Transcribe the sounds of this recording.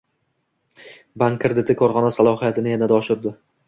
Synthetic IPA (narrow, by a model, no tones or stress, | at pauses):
baŋkʰʲːɪɾd̪ɪt̪ʰɪkʰɒɾχɒnasalˠɒɦijat̪ʰɪnɪjanad̪aɒʃɪɾd̪ɪ